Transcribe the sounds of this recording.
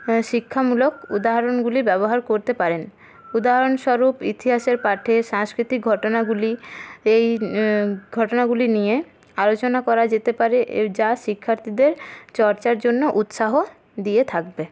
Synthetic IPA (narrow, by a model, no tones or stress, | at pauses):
ʃikʰːamulokud̪aɦaɾonɡulibɛboɦaɾkoɾt̪epaɾen | ud̪aɦaɾonʃɔɾupit̪iɦaʃeɾpaʈʰeʃaŋskɾit̪ik̚ɡʱɔʈonaɡuliej | ɡʱɔʈonaɡulinije | alot͡ɕonakɔɾad͡ʑet̪epaɾeʔd͡ʑaʃikʰːaɾt̪ʰid̪eɾt͡ɕɔɾt͡ɕaɾd͡ʑonːoʔut̪ʃaɦo | d̪ijet̪ʰakbe